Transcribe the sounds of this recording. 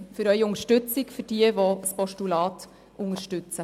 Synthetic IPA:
fʏɾœʏiʊŋəʃtʉt͡sɪkfʏɾd̥iəvɔspɔʃtulɑːt | ʊŋəɾʃtʉt͡sə

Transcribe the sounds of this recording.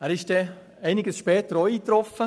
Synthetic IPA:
æːɾɪʃd̥ɛ | æɪnɪɡəsʃpɛːt̪əɾoiːt̪ɾɔfə

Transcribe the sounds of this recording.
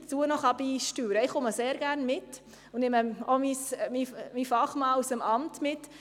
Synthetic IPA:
t͡suːənɔχɑbiːʃtyːɾəɪχʊməseːɾɡ̥æɾnmɪt | ʊneməomismimifɑχmɑːusəmɑmtmɪt

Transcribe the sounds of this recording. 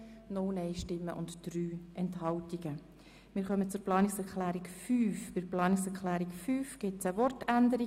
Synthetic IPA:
nʊlneɪʃtɪmːə̰ʔʊntd̥ɾyːʔɛnthɑltiɡə | mɪːɾχœmət͡sʊɾplɑːnɪksɛɾklæːɾikfyːfb̥ɪɾplɑːniksɛɾkʰlæːɾikfyːfɡ̥ɪtt͡səʋɔrtændəɾi

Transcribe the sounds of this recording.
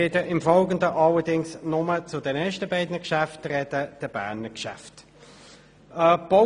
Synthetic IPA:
ɪdəʔɪmfɔlɡəndəʔɑlədɪŋsnʊmət͡sʊdɛnɛʃtəbɛɪdnəkʃæftrɛdəd̥əb̥æ̰ːɐnəkʃæ̰ft | əb̥o

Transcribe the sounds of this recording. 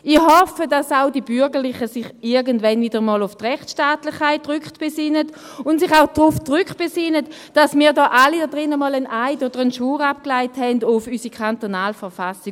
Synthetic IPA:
ihɔfədasaʊdibʏɐʁɡəʁlɪχəsɪχɪɐɡəntvɛnvidəʁmɔːlʊftʁɛχtʃtaːtlɪχkʰːaɪtʁʏkχtb̥ɛsɪnət | ʊntsɪχaʊd̥ʁʊfdʁʏktb̥esɪnət | d̥asmiːɐdɔːʔalidɔdʁɪnəmɔːlənʔaɪdoːdəʁənʃuːʁap̚klaɪthɛndʊfysikʰantonaːlfəɐfasɪ

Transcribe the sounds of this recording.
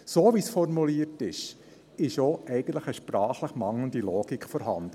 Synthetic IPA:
soːʋisfɔɾmuliətɪʃ | ɪʃoʔɛɪɡən̩t̪ləχəʃpɾɑːχləχmɑŋlənd̪iloːɡikfɔɾɦɑ̰nd̪̥ə

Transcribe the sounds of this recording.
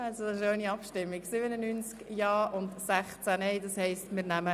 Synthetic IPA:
ɑlsodɑsɪʃoːniɑpʃtɪmːiɡsɪbənənynt͡skjɑːʔʊntsæχt͡sænɛɪdɑshɛɪstmɪːɾnæmə

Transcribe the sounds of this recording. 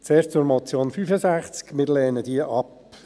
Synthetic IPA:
t͡seːst͡sʊɾmɔt͡sjoːnfyːfəzæχt͡skmɪɾlɛːnədiəʔɑp

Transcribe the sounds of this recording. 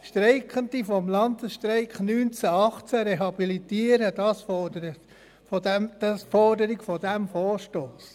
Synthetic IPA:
ʃtɾɛɪkəndifɔmlɑndəsʃtɾɛɪkχnyːnt͡sæɑχt͡sæɾeɦɑbilitiːəɾəd̥ɑsfɔdəɾə | fɔdɛmd̥ɑsfɔɾdəɾɪɡfɔdæmfɔːɾʃtoːs

